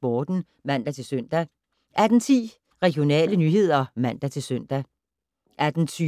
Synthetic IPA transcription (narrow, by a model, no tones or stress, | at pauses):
b̥ɒːd̥n̩ | mæn̰d̥æt͡sʰe̝lsøn̰d̥æ | ʔæd̥n̩t͡sʰḭː | ʁɛɡ̥jo̝nɛ̰ːlənyːɦe̝ð̰ˠɐmæn̰d̥æt͡sʰe̝lsœn̰d̥æ | ʔæd̥n̩t͡sʰy